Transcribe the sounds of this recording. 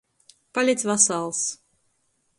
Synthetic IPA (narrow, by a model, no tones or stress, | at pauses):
palʲet̪ʲvasɑlˠs